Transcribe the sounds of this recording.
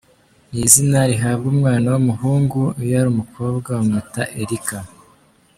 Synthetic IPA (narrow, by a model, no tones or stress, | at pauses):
nizinaɾiɦabɡuːmŋaːnawumuhuːŋɡujaɾuːmukʰo̞ːbɡawumutaʔe̞ɾika